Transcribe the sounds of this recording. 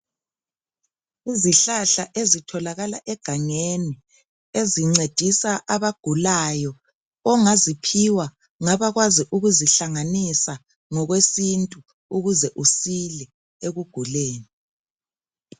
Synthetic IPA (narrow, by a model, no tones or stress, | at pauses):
iziɬaɬaʔezitʰɔlaɣalaʔɛɡ̥ʱaŋeni | eziŋ͡ǀed̥ʱisaʔaβaɡ̥ʱulajɔ | ɔŋazipʰiwa | ŋaβaɣwaziʔuɣuziɬaŋanisa | ŋɔɣwesintʼu | uɣuzɛʔusilɛ | eɣuɡ̥ʱuleːni